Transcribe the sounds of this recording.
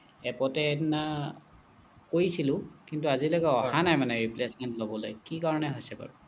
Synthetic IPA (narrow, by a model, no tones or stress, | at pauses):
ɛpɔtɛːna | kojsilʊ̃kintuazilokɛɔɦanajmanɛɹiplesmɛntlobɔlojkikaɹɔnɛɦojsɛpa̰ɹu